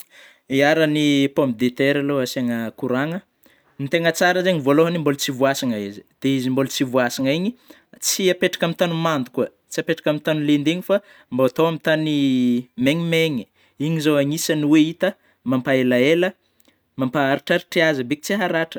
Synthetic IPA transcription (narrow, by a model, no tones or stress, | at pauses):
iaɾənipompid̪et̪eɾaloaseŋəkuɾaŋə | mit̪eŋət͡saɾəzeɲivoloɦanimbolut͡sivuasiŋaizi̥d̪̥eizimbolut͡sivuasiŋaiɲi | t͡siapeʈ͡ʂḁkamit̪anumand̪u̥kuə | t͡siapeʈ͡ʂḁkamit̪anulend̪eŋifa | mboat̪owamit̪animeŋimeŋi | iɲizoaŋisaniweit̪ə | mampaelaelə | mampaːɾiʈ͡ʂaɾiʈ͡ʂiazəbeki̥t͡siɦaɾaʈ͡ʂə̥